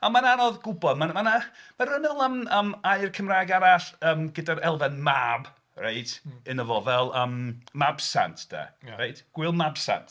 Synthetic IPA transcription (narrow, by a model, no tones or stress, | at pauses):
amananɔðɡʊbɔdmamanamarənəlˠəməmajrkʰəmrajɡaɾaɬəːmɡədaɾɛlˠvɛnmab | raɨtʰɨnəvɔvɛlˠəːmmabsa̰ntʰd̥a̰rajtʰɡ̥wɪlˠmabsa̰ntʰ